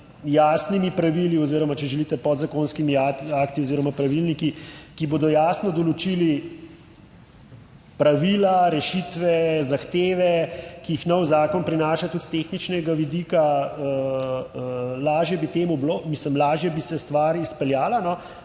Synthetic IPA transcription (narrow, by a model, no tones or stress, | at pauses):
jaːsnimipɾaʋiliɔziːɾɔmat͡ʃɛʒɛlit̪ɛpɔd̪zakoːnskimiaakt̪ioziːɾɔmapɾaʋilnikikiboːd̪ɔjaːsnɔd̪ɔlot͡ʃili | pɾaʋilaɾɛʃit̪ʋɛzaxt̪eːʋɛkiixnɔwzaːkɔnpɾinaːʃat̪ut̪t̪exnit͡ʃnɛɡaʋid̪ikaə | laːʒjɛbit̪eːmubloːmisləmlaːʒjɛbisɛst̪ʋaːɾispɛljaːlanɔ